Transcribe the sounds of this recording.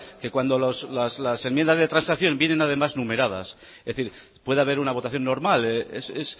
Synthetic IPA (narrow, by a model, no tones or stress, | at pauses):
ke̞kwand̪o̞loslaslase̞mjend̪azðe̞t̪ɾansakθjo̞mbje̞nẽ̞nað̞e̞maznume̞ɾað̞a̰sðeθiɾ | pwe̞ðeaβe̞ɾunaβ̞o̞t̪aθjo̞nːo̞ɾmaleḛses